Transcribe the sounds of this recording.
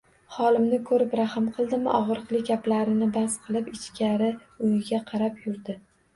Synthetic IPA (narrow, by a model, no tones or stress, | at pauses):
χɒlˠɪmnɪkʰɵɾɪpɾahɪmqʰɨlˠd̪ɪmɪʔɒʁɾɨqlˠɪɡʲaplaɾɪnɪbasqʰɨlˠɪpɪt͡ʃkʲaɾɪ | ʊjɪɡʲaqʰɑɾapjʊɾd̪ɪ